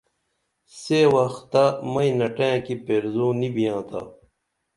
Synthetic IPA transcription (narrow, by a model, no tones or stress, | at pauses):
sewɐxt̪ːamɐĩnɐʈẽːkipeːɾzõːnibijãːt̪ʰa̰ː